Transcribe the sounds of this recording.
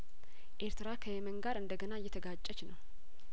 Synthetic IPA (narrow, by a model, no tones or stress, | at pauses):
ʔe̞ɾt̪ɨɾakʰəjɛməŋɡaɾɨnd̪əɡənajːɛt̪ʰəɡat͡ʃʼːət͡ʃnəw